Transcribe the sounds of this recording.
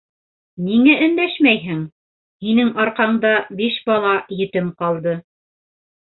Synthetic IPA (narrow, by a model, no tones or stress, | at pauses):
niŋæʔɵ̆nd̪æʃmæjɦɘŋ | hinɘŋɑɾqɑɴd̪ɑbiʃbɑlˠɑjɘ̆t̪ɘmqɑlˠd̪ɤ